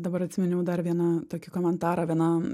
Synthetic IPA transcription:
d̪ɐbɐɾɐt̪ʲsʲɪmʲɛnʲɛʊd̪ɐrʋʲiɛnɐt̪oːkʲɪkoːmʲɛnt̪ɑːɾɑːʋʲiɛnɐ

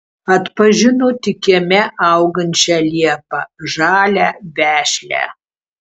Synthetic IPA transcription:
ɐt̪pɐʒʲɪnoːt̪ʲɪkʲeɛmʲɛʔɐʊɡɐnʲt͡ʃʲɛlʲiɛpɐʒɑːlʲæːbʲæːʃʲlʲæ̰ː

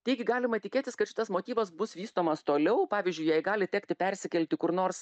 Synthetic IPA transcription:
t̪ʲɛɪɡʲɪɡɑːlʲɪmɐt̪ʲɪkʲeːt̪ʲɪskɐt̪ʃʲɪt̪ɐsmoːt̪ʲiːʋɐsbʊsʋʲiːst̪oːmɐst̪oːlʲɛʊpɑːʋʲizʲd͡ʒʲʊɪjɛɪɡɑːlʲɪt̪ʲɛːkt̪ʲɪpʲɛɾʲsʲɪkʲɛlʲt̪ʲɪkʊɾnoːrs

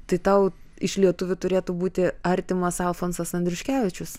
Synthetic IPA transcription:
t̪ɐɪt̪ɐʊɪʃʲlʲiɛt̪ʊʋʲʊt̪ʊɾʲeːt̪ubuːt̪ʲɪɐɾʲt̪ʲɪmɐsɐlˠfoːnsɐsɐnʲd̪ʲɾʲʊʃʲkʲæːʋʲɪt͡ʃʲʊs

